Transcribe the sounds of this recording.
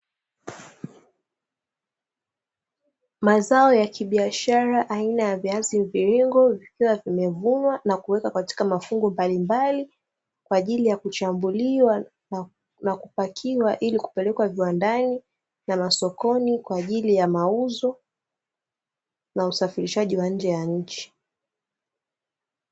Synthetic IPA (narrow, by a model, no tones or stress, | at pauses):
mazaɔjakiɓiaʃaɾaʔainajaviazimviɾiŋɡɔvikiwavimɛvunwanakuwɛkakati̥kamafuŋɡɔmbalimbali | kwaːʄilijakut͡ʃambuliwa | nakupakʰiwaʔiliku̥pɛlɛkwaviwandani | namasɔkɔnikwaːʄilijamauzɔ | nausafiɾiʃaʄiwaɲ̩d͡ʒɛjaɲ̩t͡ʃi̥